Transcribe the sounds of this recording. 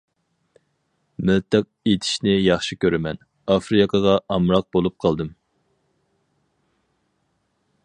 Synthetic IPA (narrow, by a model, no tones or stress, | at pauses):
mɪlt̪ʰɨq̚et̪ʰi̥ʃnɪjɑχʃikʲʰøɾɪmɛn | ɑfɾɨkʰəʁɑʔɑmɾɑq̚bolˠup̚qʰɑlˠd̪ɨm